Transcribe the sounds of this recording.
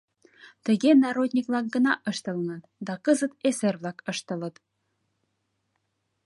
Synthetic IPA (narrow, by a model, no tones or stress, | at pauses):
t̪ə̆ɣenɑɾod̪ʲnʲiklɑk̚ɡə̆nɑʔɤ̆ʃt̪ɤ̆lŋɑt̪d̪ɑkɤzə̆t̪eserβlɑkɤ̆ʃt̪ɤ̆lə̆t̪